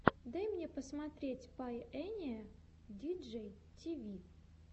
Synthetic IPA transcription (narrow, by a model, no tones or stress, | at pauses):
d̪ajmnʲepəsmɐt̪ɾʲetʲpajɛnʲɪə | dʲid͡ʒɛj | tʲivʲi